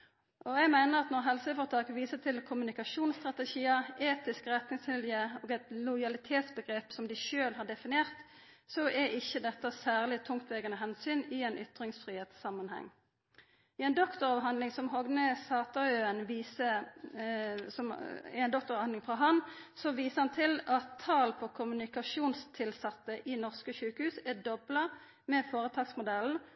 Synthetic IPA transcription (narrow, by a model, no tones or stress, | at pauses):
ʔɔɛɡmæɪnəʁɑt̪nɔʁɦɛlsəfɔʁt̪ʰɑːkəʋiːsət̪ʰɪlkʰʊmʉnɪkɑʃuːnst̪ʁɑt̪ɛʃiːəeːt̪ɪskəʁɛt̪nɪŋst̪ʰɪljəɔːɡɛt̪lʊjɑlɪt̪ʰeːt̪sbəɡʁeːpsɔmd̪ɪʃøːlɦɑɖɛfɪnɪeːʁt̪ | sɔʔɛɪçːəd̪ɛt̪ːəsæːʁlɪt̪ʰʊŋkt̪ʋɛɡənəɦɛnsyːnɪɛnʔʏ̰t̪ʁɪŋsfɾiːheːt̪sːɑmːɑnhɛ̰ŋː | ɪɛnd̪ɔkt̪ɔʁɑʋɦɑnd̪lɪŋsɔmɦɔɡnəsɑːt̪ɑøːənʋiːsə | sɔɛnd̪ɔk̚t̪ɔʁɑʋhɑnɪŋfʁɑɦɑnsɔʋiːsəhɑnt̪ʰɪlɑt̪ʰːɑːlpʰɔkʰʊmʉnɪkɑʃuːnst̪ʰɪlsɑt̪ːəʔɪnɔʁskəʃʉːkəhʉːsɛd̪ɔblɑ | mɛfoːʁət̪ʰɑːɡsmʊd̪ɛln̩